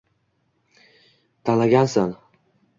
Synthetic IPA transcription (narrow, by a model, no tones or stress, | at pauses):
t̪ʰalaɡʲansan